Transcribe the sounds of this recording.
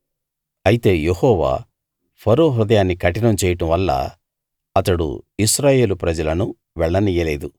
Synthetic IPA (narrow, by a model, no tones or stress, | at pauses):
ɐjit̪e̞ːjehɔːʋa̰ː | pʰɐɾoːɦɾud̪ɐjaːnːikɐʈinɐmt͡ʃɛːjɐʈɐmʋɐlːɐ̰ | ɐt̪ɐɽṵisɾaːje̞ːlupɾɐd͡ʒɐlɐnu | ʋɛɭːɐnijɐleːd̪u